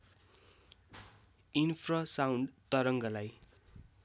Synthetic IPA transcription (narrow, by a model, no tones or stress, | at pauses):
inpʰrʌsawɳɖt̪ʌɾʌŋɡʌlaj